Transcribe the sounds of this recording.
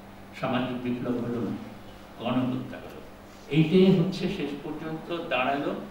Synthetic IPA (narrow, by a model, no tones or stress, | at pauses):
ʃamad͡ʑik̚biklobɦolon | ɡɔnokot̪ːakolo̰ | ejʈeɦotːɕʰeʃeʃpoɾd͡ʑont̪od̪aɽalo